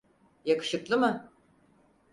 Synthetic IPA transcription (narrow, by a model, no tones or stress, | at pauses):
jakɯ̥ʃɯklˠɯmɯ